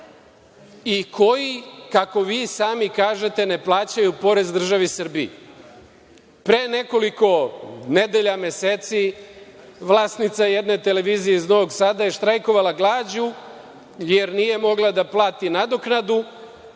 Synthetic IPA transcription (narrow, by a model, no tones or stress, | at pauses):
ikʰo̞jikako̞ʋiːsaːmikaːʒe̞t̪e̞ne̞plˠaːt͡ɕajupo̞ɾe̞zd̪r̩ʒaʋisr̩bḭje | pɾeːne̞ko̞liko̞ne̞d̪e̞ʎamje̞seːt̪si | ʋlaːsnit̪sajed̪ne̞t̪e̞le̞ʋiːzije̞izno̞ʋo̞ɡsaːd̪aje̞ʃt̪ɾajko̞ʋalaɡlˠaːd͡ʑu | je̞ɾnije̞mo̞ɡlˠad̪aplˠaːt̪inad̪o̞knad̪u